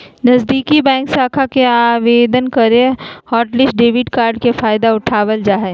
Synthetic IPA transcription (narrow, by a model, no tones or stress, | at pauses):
nɐzd̪iːkibɛ̃ːŋksaːkʰakeaːʋeːd̪ənkɐɾẽhɔːʈlɪsɖeːʋɪʈkaːɾɖkefaːjd̪aʊʈʰaːʋəld͡ʒaːɦɛː